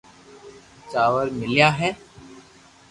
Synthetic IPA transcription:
t͡ʃaːʋəɾmɪlijaːɦɛː

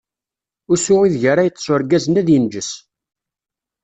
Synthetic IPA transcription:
ʊsʊʁiðʝəɾajət͡s̪ːsˤʊɾɡæzənæðjənd͡ʒəs

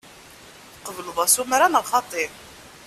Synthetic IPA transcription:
θqːəvələðˤæsumɾanəlχɑt̪ˤeɾ

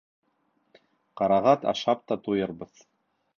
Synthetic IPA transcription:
qɑɾɑʁɑt̪ɑ̰ʃɑp̚t̪ɑt̪ujɤɾbɤð

